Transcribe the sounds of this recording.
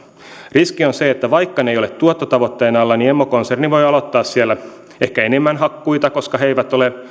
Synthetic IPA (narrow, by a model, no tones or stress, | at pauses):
riskionseet̪ːæʋɑjkːɑnejo̞let̪t̪ːuot̪ːot̪ɑʋot̪ːeːnɑlːɑniemːokonserniʋo̞jɑlo̞t̪ːɑːssiælːæ | e̞hkæene̞mːænɦɑkːujt̪ɑko̞skɑɦeiʋæt̪o̞le